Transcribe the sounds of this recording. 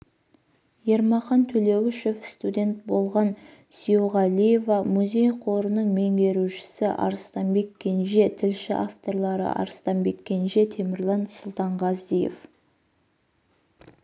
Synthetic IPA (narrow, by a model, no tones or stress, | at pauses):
je̞ɾmɑχɑnt̪ʰɵle̞wɪʃʏpst̪ud̪ʲe̞nt̪̚bo̞lˠʁɑn | sioʁɑlije̞vɑmuzʲe̞jqʰo̞ɾənəɴme̞ŋɡʲe̞ɾuʃɪ̥sɪʔɑ̰ɾst̪ɑnbe̞kʲːe̞nʒe̞t̪ʰɪlʃɪ̰ʔaft̪o̞ɾlˠɑɾə̰ʔɑ̰ɾəst̪ɑmbe̞kʲːe̞nʒe̞t̪ʰe̞mɪɾlˠɑnsʊlˠt̪ɑɴʁɑzije̞̰f